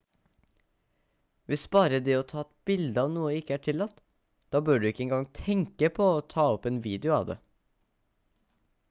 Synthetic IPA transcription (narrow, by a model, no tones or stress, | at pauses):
ʋɪsbɑːɾəd̪ɛːɔt̪ʰɑːɛt̪̚bɪld̪əɑʋnuːəɪkːəæːʈʰɪlːɑt̪ː | d̪̥ɑːbøːɖʉɪkːəɛŋɡɑŋt̪ʰɛŋkəpʰɔɔt̪ʰɑːɔpeːnʋiːd̪ɪʊɑ̰ːʋd̪ḛː